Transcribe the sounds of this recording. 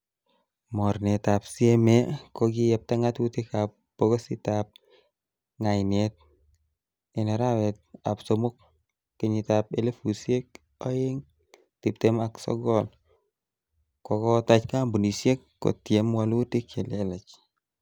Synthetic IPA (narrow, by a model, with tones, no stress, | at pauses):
mɔ˨ɾne˨t̪a˨psie˦me˦kɔ˦ɡɪ˦jɛ˨p̚ta˦ŋa˦twu˦ti˦ka˨p | po˦ɡo˦sɪ˦tap̚ | ŋa˨ɪne˨t̚ | ɛ˨nɛ˨ɾa˦wɛ˨t̚a̰˨pso˦mo˦kː | e˨ɲi˨ta˨p̚e˦le˦fu˨sje˦k̚ | ɔ˦ɪ˦ŋ | ti˨p̚te˦ma˦ksɔ̰ɡɔ˦˨l | kɔ˨kɔ˦ta˦t͡ʃka˦mbu˨ni˨se˦kːo̰˨tje˦m˦wa˦lwu˦ti˦kʰe˨le˦lɛ˨t͡ʃ